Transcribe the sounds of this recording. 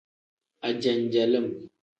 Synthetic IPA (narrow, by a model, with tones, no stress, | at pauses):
a˨d͡ʒa˨n˨d͡ʒa˨lə˦˨m